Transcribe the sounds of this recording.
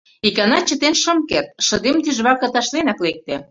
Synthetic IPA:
ikɑnɑt͡ɕə̆t̪enʃə̆mkert̪̚ʃə̆d̪emt̪iʒβɑkə̆t̪ɑʃlenɑklek̚t̪ĕ

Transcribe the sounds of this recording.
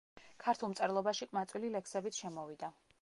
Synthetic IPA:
kʰaɾt̪ʰulˠmt̪sʼɛɾlˠɔbaʃiqʼmat̪sʼwililɛksɛbit̪sʰʃɛmɔvid̪a

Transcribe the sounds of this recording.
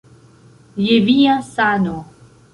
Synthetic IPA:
jeviasano

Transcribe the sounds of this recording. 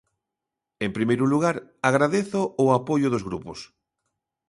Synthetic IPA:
empɾimejɾuluɣaɾaɣɾaðeθʊːapojʊðozɣɾupʊs

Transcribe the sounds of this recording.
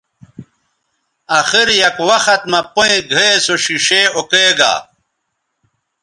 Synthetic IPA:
ɐxiɾjɐkwɐxɐt̪̚mɐpoĩɡʱesoɕiɕeokeːɡa̰ː

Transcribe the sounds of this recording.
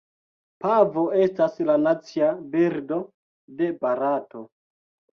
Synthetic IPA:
pavo̞e̞staslanat͡siabiɾdo̞ | de̞baɾato̞

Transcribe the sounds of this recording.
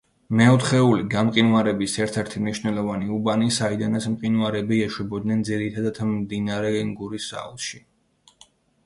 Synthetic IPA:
mɛɔt̪ʰχɛuliɡamqʼinuaɾɛbisɛɾt̪ʰɛɾt̪ʰimniʃnɛlˠɔvaniubanisaid̪anasmqʼinwaɾɛbiɛʃwɛbɔd̪̚nɛnd̪ziɾit̪ʰad̪at̪ʰmd̪inaɾɛɛŋɡuɾisa̰ṵlˠʃi

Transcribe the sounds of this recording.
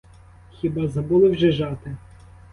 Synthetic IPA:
xʲibɑzɐbulˠɪwʒɛʒɑt̪ɪ

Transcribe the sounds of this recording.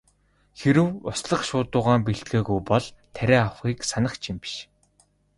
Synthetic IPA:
xeɾɘ̆wʊsɮə̆χʃʊːt̪ʊːʁaːmp̬eɬt̪ɡeːɣujpɔɮt̪ʰæɾʲæːawχiːksanə̆χt͡ɕʰimpi̥ʃ

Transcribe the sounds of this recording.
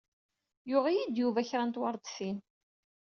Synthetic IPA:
jʊʁijid̪juvæçɾænt̪wɑɾˤd̪sin

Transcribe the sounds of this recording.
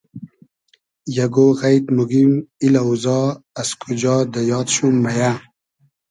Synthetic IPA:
jaɡoɣajt̪muɡimilauzɑaskʰud͡ʑɑːd̪əjɑːt̪ɕumːaja

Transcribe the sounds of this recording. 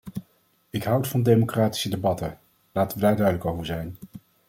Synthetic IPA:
ɪkɦʌwtfɑndejmokraːti̥sədebɑtə | laːtəʋədaːɹdœɥdələkowvəɹzɛjn

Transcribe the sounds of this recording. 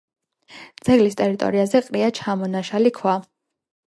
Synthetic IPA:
d̪z̥ɛɡlist̪ʼɛɾit̪ʼɔ̰ɾiazɛqʼɾiat͡ʃʰamɔnaʃalikʰwa

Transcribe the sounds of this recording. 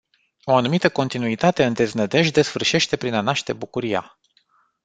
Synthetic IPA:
o̞anumit̪əko̞nt̪inuit̪at̪e̞ɨnd̪e̞znəd̪e̞ʃ̬d̪e̞sfɨrʃe̞ʃt̪e̞pɾinanaʃt̪e̞bukuɾija̰

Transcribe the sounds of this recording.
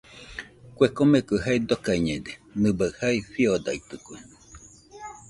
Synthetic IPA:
kʷekomekɨɦaid̪okaiɲẽd̪enɨbaɰhaifiod̪a̰it̪ɨkʷe

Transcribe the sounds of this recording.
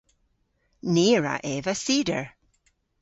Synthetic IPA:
neːɹa̰ʔɛːvəsiːdə̰ɹ

